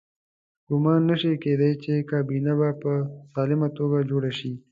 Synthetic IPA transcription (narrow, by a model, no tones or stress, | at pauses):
ɡʊmɑːnːaʃeked̪ajt͡ʃekɑːbinabapəsɑːlɪmat̪oɡad͡ʒoɽaʃi